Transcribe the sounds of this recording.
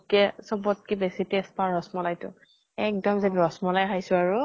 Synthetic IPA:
kɛsɔbɔt̚kibesitest̚paɔsmɔlajtʊ̰ | ɛk̚dɔmzɛbɔsmɔlajkʰajsʊaɹʊ

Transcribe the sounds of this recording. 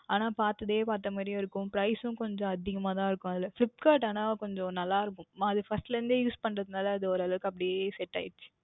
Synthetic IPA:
aːnaːpaːɾt̪ɐðeːpaːɾt̪ːɐmaːd̪ɾɪj̃ɪɾɯkːʊ̃pɾɐɪsʊ̃kɔɲd͡ʒɔ̃ɐðɪɣɐmaːt̪ãːɪɾɯkːʊ̃ɐðɪlɐflɪp̚ʈkaːɾʈ̬aːnãːkɔɲd͡ʒɔ̃nɐlːaːɪɾɯkːʊ̃aɐðɯfɐsʈlɐɾɯnd̪ɯjuːspɐɳɾɐðɯnaːlɐːðɯɔɾɐlɐkːɐp̬ːɐɽɪesɛʈːa̰ːjt͡ʃːɪ̥

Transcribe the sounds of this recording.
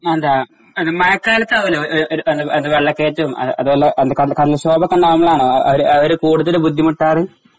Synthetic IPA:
end̪aː | ɐnɨmɐjɐkːaːlɐt̪ːaːʋɐlooɾʔɾuend̪ɨend̪ɨʋeɭːɐkːeːtːɐumɐ̰ɐðuʋolːɐʔɐnd̪ɨkɐɽɨkɐɽilɕo̞ːbɐkːɐɳɖɐnɐmːɐɭaːɳoːɐʔɐ̰ʋɐɾuɐʋɐɾukuːɽuðɐlɨbud̪ʱːimuʈːaːrɨ

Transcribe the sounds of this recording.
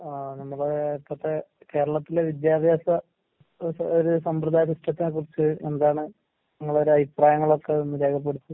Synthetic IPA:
nɐmːɐɭet̪ːɐt̪ːeke̞ːɾɐɭɐt̪ːileʋid̪jaːd̪ʱjaːsɐ | oɾusɐmprɨd̪ʱaːjɐsiʂʈːɐt̪ːinekurit͡ɕːɨend̪aːɳɨ | ɲɐmːɐɭo̞ɾuɐbʱipraːjɐŋːɐɭo̞kːe̞onːɨɾe̞ːkʰɐp̬ːe̞ɽut̪ːu

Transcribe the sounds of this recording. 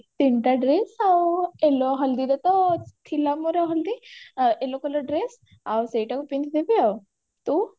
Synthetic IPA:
t̪iɳʈaɖɾesaweloɦɐld̪id̪et̪ot̪ʰilamoɾawɦɐld̪iʔelokəloɖɾes | awseʈakupint̪d̪epiaw | t̪u

